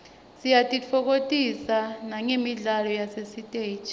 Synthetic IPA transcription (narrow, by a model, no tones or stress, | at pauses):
sijatʼit͡fʰɔk̬otʼisanaŋemiɮalɔjasesitʼeːt͡ʃʼ